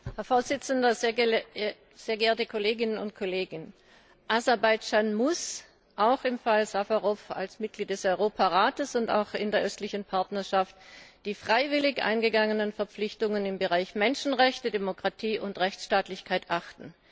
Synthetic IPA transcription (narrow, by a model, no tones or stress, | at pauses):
hɛɐfoːɐz̥ɪt͡sən̩dɐ | z̥eːɐɡɛeːɐtəkʰoleːɡɪnənʊ̰ntkʰoleːɡ | ʔazɛɐbaɪd͡ʒaːnmʊs | ʔaʊxɪmfalzafaʁɔfa̰lsmɪt̚ɡ̥liːt̚d̥ɛsɔʏʁoːpʰaʁaːtəsʊnta̰ʊxɪndeːɐʔœstlɪçn̩pʰaɐtnɐɐʃaftd̥iːfʁ̥aɪvɪlɪçʔa̰ɪnɡəɡaŋənənfɛɐp͡flɪçtʊŋənɪmbəʁaɪçmɛnʃn̩ʁɛçtədemokʁ̥atʰiːʔʊntʁɛçt͡sʃtaːtlɪçkʰaɪtʔaχtn̩